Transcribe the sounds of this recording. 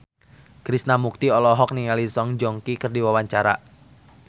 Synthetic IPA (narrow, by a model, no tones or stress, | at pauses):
kɾisnamuk̚t̪iɔlɔɦɔk̚niŋalisɔŋd͡ʒɔŋkikɨrdiwawaɲt͡ʃaɾa̰